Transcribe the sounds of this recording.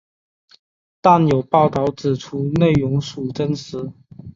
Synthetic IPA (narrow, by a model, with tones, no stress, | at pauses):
t̪a˥˨njo˨˩ʊpɑ˥˧ʊt̪ɑ˧˩ʊt͡sɹ̩˨˩ʈ͡ʂʰu˧˥ne˥˩ɪjʊ˧˥ŋʂu˨˩ʈ͡ʂə˥nsɻ̩˧˥˦